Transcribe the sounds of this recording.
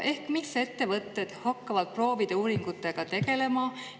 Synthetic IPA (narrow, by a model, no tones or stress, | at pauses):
ʔe̞hkmise̞t̪ːe̞vɤt̪ːe̞d̪̥hɑkːɑvɑd̪̥̚pro̞ːvid̪̥e̞uːɾiŋɡ̥ut̪ːˑe̞ɡ̥ɑt̪e̞ɡe̞le̞mɑ